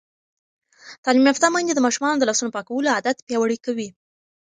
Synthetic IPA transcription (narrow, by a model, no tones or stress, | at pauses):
t̪ɑlimaft̪ɑmaind̪ed̪əmɑʃumɑnod̪əlɑsunopɑkawəload̪at̪pjɑwaɽikawi